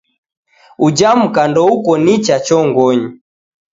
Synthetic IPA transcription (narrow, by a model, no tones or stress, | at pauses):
ud͡ʒam̩kandɔukɔnit͡ʃat͡ʃɔŋɡɔɲi